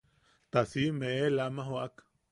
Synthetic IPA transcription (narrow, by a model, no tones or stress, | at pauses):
t̪asimeʔelamaɦoak